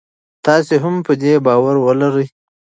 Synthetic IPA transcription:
t̪ɑseɦampəd̪ebɑːwaɾwəlaɾəj

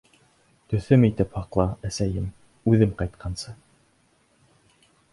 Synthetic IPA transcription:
t̪ɵ̆θɵmit̪ɘphɑqlˠɑæsæjɘm | ʉðɘmqɑjt̪qʰɑnsɤ

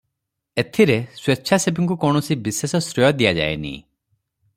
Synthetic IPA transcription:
et̪ʰiɾeswet͡ʃʰasebiŋk̬ukɔɳ̃ɔsibisesɔsɾɔjɔd̪ijad͡ʒa̰ḛnḭ

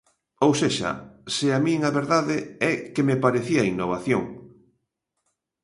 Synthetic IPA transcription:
owseʃa̰seamĩŋaβeɾðaðeɛkemepaɾeθiainːoβ̞aθjoŋ

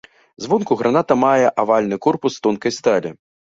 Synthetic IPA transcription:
zvɔnkuɣɾʔanat̪ɐmajɛʔavalʲnɨkɔrpust̪ɔnkɐjst̪alʲɛ

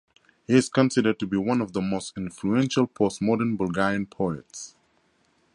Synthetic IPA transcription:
hiɪz̥kə̃nsɪɾə˞d̚tubiwʌ̃nɔvðəmostɪ̃nfluɛ̃nʃəlˠpʰɔstmɔɾənbəlˠɡɛɹiə̃npʰoɛts

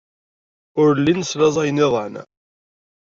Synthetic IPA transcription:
ʊɾlːinəslæzˤæjənɪðˤʕnæ̰

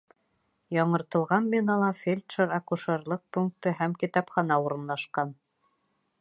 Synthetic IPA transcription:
jɑɴɤ̆ɾt̪ɤ̆lˠʁɑnbinɑlˠɑfʲelʲt̪ʃeɾakuʃoɾlˠɤq̚puŋk̚t̪ɤɦæmkit̪ɑpχɑnɑuɾɤ̆nlˠɑʃqɑn

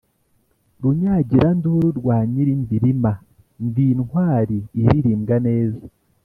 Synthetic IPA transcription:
ɾuɲaːɟiɾanduɾuɾɡwaːɲiɾinbiɾima | ndinwaːɾiːɾiɾiːmɡane̞ːzḁ

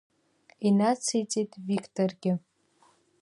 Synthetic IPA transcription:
inat͡sʰijt͡sʼejtʼvikʰʼtʰʼorɡʲɪ

